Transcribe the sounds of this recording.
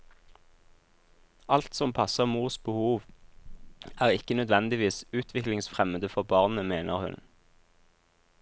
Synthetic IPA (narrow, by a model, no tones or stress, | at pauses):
ɑlt̪sɔmpʰɑsəʁmuːʁsbəhuːʋ | æːʁɪkənœd̪ʋɛnd̪ɪʋiːsʉːt̪ʰʋɪklɪŋsfʁɛməd̪əfɔʁbɑːʁnəmeːnəʁhʉ̰n